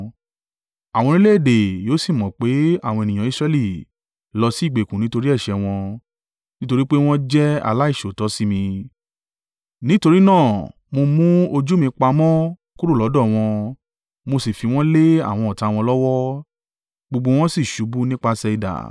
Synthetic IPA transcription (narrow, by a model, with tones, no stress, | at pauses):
a˨w̃ɔ̃˧ɾ̃ĩ˦le˦e˦˨de˨jo˨˦si˦˨mɔ̃˨k͡pe˨˦a˦˨w̃ɔ̃˧e˨nĩ˨ã˨i˦˧sɾɛ˧li˦˨ | lɔ˧si˦˨ɡ͡be˨kũ˨nĩ˦to˧ɾi˦ɛ˦˨ʃɛ˧w̃ɔ̃˧ | nĩ˦to˧ɾi˦k͡pe˦w̃ɔ̃˦d͡ʒɛ˦a̰˧la˦i˦˨ʃo˨tɔ˨˦si˦mĩ˧ | nĩ˦to˧ɾi˦nãː˦˨ | mo˧mũ˦o˧d͡ʒu˦mĩ˧k͡pa˧mɔ̃˦ | ku˦ɾu˦˨lɔ˨˦dɔ˦˨w̃ɔ̃˧ | mo˧si˨fi˧w̃ɔ̃˦le˦a̰˦˨w̃ɔ̃˧ɔ˨ta˨˧w̃ɔ̃˧lɔ˦wɔ˦ | ɡ͡bo˧ɡ͡bo˧w̃ɔ̃˦si˦˨ʃu˨˦bu˦nĩ˦k͡pa˧sɛ˧i˧da̰˨